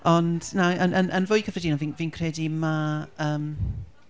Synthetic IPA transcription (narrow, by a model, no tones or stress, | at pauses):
ɔnd̥naənʔənʔənvoːjkʰəfrɛdiːnaviːnviːnkʰrɛdimaəːm